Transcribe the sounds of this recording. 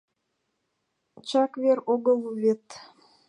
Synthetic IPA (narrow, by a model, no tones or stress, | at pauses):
t͡ɕɑkβeɾoɣəlβet̪